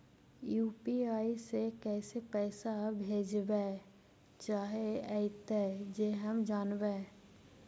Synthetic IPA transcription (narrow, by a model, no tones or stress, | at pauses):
juːpiaːisekɛːsepɛːsabʱeːd͡ʒbeː | t͡ʃaːɦeəɪt̪ɛd͡ʒeːɦəmd͡ʒaːnbeː